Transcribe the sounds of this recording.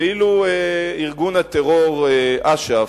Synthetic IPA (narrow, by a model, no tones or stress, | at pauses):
ilueiʁɡunat̪eʁoʁʔaʃa